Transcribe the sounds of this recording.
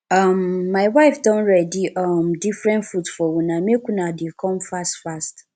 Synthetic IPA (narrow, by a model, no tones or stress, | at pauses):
ãmːaɪwaɪfdɔ̃nɹɛdiʔɔmdifɾɛ̃ntfutfɔwũnãm̃ekũnãdekʰɔ̃mfastfast